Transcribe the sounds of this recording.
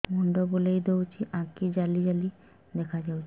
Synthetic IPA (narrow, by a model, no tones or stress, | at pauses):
mɔɳɖobolejd̪ewt͡ʃʰiʔãkid͡ʑalid͡ʒali | d̪ɛkʰad͡ʒawt͡ʃʰi